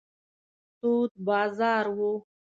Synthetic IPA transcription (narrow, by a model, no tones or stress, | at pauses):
t̪ut̪̚bɑːzɑːɾwo